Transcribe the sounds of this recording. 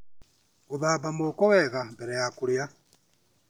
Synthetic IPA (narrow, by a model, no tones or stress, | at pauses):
oðaːβamoːkɔwɛɣambɛɾɛjakoɾea